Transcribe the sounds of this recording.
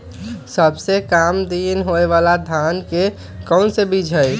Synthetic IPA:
səbsekamd̪inɦoeʋalad̪ʱanke | kəʊnsebid͡ʒʱəj

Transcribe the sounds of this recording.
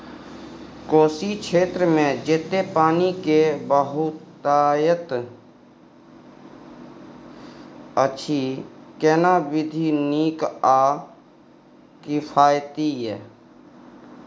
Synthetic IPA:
koːsikt͡ʃʰeːt̪ɾəmẽd͡ʒet̪ːepaːnikebəɦʊt̪ | aːjət̪ | ət͡ʃʰikɛːnabɪd̪ʱiniːka | kipʰaːjt̪iɦɛː

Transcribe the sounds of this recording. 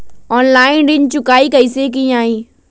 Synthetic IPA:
ɔːnlaːɪnɖɪnt͡ʃʊkaːikɐisek̬ĩaːĩː

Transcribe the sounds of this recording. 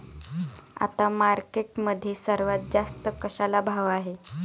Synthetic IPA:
a̰t̪amaɾkeʈməd̪ʱːjesəɾʋat̪̚d͡zast̪əkəɕalabʱaʋaɦe

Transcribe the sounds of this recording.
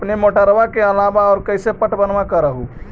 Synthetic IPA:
pnemoʈəɾʋakeəlabaɔːɾkəɪsepəʈbənʋakəɾəɦu

